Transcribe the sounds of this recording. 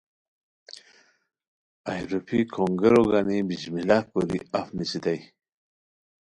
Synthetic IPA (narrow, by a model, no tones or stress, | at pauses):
ajɾopʰikʰoŋɡeɾoɡanibiʑmilapoɾḭafnisid̪aj